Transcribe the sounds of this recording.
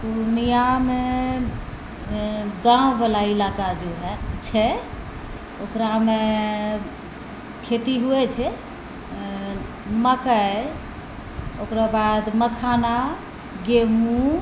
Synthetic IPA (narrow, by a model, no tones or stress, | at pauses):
punijame | ɡãbelailakad͡ʒoɦt͡ʃʰɛ | okɾame | kʰet̪iɦuɛt͡ʃʰɛ | məkə | okɾabad̪məkʰana | ɡemũ